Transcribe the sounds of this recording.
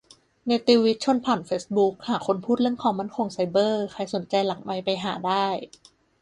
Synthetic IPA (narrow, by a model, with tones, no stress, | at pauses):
na˧jt̪iː˧wi˦˥t̪̚t͡ɕʰo˧˥npʰaː˨˩nfeː˦˥s̚bu˦˥k̚haː˨˩˦kʰo˧npʰuː˥˩t̪̚ɾɯ˥˩əŋkʰɔː˨˩˦ŋma˥˩nkʰo˧ŋsa˧˥jbɤː˥˩kʰa˧jso˨˩˦nt͡ɕa˧jla˨˩˦ŋma˧jpa˧jɦaː˩˦daː˥˩j